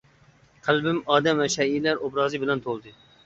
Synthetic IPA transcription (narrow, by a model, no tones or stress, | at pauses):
qʰælˠbɪmɑːd̪ɛmvɛʃɛilæɾobɾɑːzɨbɪlɛnt̪ʰolˠd̪ɨ